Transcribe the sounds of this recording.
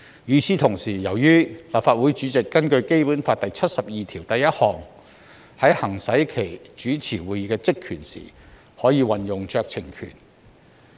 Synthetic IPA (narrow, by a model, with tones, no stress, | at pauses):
jyː˨˧siː˥t̪ʰʊ˨˩ŋsiː˨˩jɐ˨˩wjyː˥laː˨p̚faː˧t̚wuː˨˥jt͡ʃyː˨˥t͡sɪ˨kːɐ˥nkɵ˧ɥke˥jpu˨˥nfaː˧t̪ɐ˨jt͡sʰɐ˥t̚sɐ˨p̚jiː˨˧t̪ʰiː˨˩wt̪ɐ˨jɐ˥t̚hɔː˨˩ŋ | hɐ˨˥jhɐ˨˩ŋsɐ˨˥jkʰe˨˩jt͡ʃyː˨˥t͡sʰiː˨˩wuː˨˧jiː˨˧˥kɛː˧t͡sɪ˥kʰːyː˨˩nsḭː˨˩ | hɔː˨˥jiː˨˧wɐ˨njʊ˨ŋt͡ʃœː˧k̚t͡sʰɪ˨˩ŋkʰy̰˨˩n